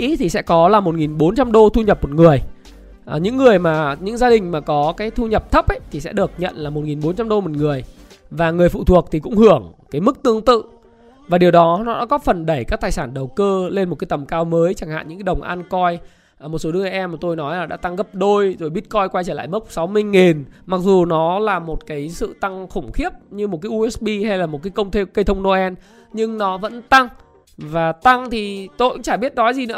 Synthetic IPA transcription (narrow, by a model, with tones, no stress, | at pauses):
ʔi˨˦t̪ʰi˨˩sɛ̰˧˥kɔ˨˦laː˨˩mo˨˩t̚ŋi˨˩nɓo˨˦nt͡ɕa˧mɗo˧t̪ʰu˧ɲə˨˩p̚mo˨˩t̚ŋɨ˨˩əj | ɲɨ̰˧˥ŋːɨ˨˩əjmaː˨˩ɲɨ̰˧˥ŋzaː˧ɗï˨˩ŋ̟maː˨˩kɔ˨˦kaː˨˦jt̪ʰu˧ɲə˨˩p̚t̪ʰə˦˥p̚ʔə˦jt̪ʰi˨˩sɛ̰˧˥ɗɨ˨˩ək̚ɲə̰˧˨nlaː˨˩mo˨˩t̚ŋi˨˩nɓo˨˦nt͡ɕa˧mɗo˧mo˨˩t̚ŋɨ˨˩əj | vaː˨˩ŋɨ˨˩əjfṵ˧˨t̪ʰu˨˩ək̚t̪ʰi˨˩kʊ̰˧˥ŋ͡mhɨ˧˩əŋkaː˨˦jmɨ˦˥k̚t̪ɨ˧əŋt̪ɨ̰˧˨ | vaː˨˩ɗi˨˩əwɗɔ˨˦nɔ˨˦ɗa̰ː˧˦kɔ˨˦fə˨˩nɗə˧˩jkaː˦˥k̚t̪aː˨˩jsaː˧˩nɗə˨˩wkəː˧le˧nm̚˨˩kaː˨˦jt̪ə˨˩mkaː˧wməː˨˦jt͡ɕa˧˩ŋha̰ː˧˨ɲɨ̰˧˥ŋkːa˨˦ɗə˨˩wŋ͡mʔa˧nkɔ˧j | mo˨˩t̚so˨˦ɗɨ˧əŋʔə˧˩ʔɛ˧ma˨˩t̪o˧jnɔ˨˦jlaː˨˩ɗa̰ː˧˥t̪a˧ŋɣə˦˥p̚ɗo˧jzo˧˩jɓi˦˥ət̚kɔ˧jkwa˧jt͡ɕəː˧˩la̰ː˧˨jmə˦˥k͡p̚sa˨˦wmɨ˧əjŋi˨˩nma˨˩k̚zu˨˩nɔ˨˦laː˨˩mo˨˩t̚kaː˨˦jsɨ̰˧˨t̪a˧ŋxə˧˩ŋ͡mxi˦˥əp̚ɲɨ˧mo˨˩t̚kaː˨˦ʔu˧ɛ˦˥sɓi˧ha˧jlaː˨˩mo˨˩t̚kaː˨˦jkə˧wŋ͡mt̪ʰe˧kə˧jt̪ʰə˧wŋ͡mno˧ʔɛ˧n | ɲɨ˧ŋnɔ˨˦və̰˧˥nt̪a˧ŋ | vaː˨˩t̪a˧ŋt̪ʰi˨˩t̪o̰˧˨ʔa̰˧˥t͡ɕaː˧˩ɓi˦˥ət̚nɔ˨˦zi˨˩nɨ̰˧˥˦